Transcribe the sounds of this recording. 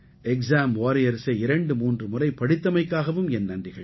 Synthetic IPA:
ɛksaːmoːɾɪjɐɾsɐɪɾɐɳɖɯmuːndrɯmʊrɐɪpɐɽɪt̪ːɐmɐɪkːaːɣɐʋɯmɛnːɐndrɪɣɐɭ

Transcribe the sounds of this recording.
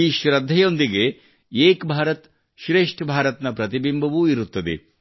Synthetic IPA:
iːʃɾɐd̪ʱːɐjo̞nd̪iɡe̞ | eːkbʱaːɾɐt̪ | ʃɾeːʂʈʰbʱaːɾɐt̪nɐpɾɐt̪ibimbʱɐʋuiɾut̪ːɐd̪ḛ

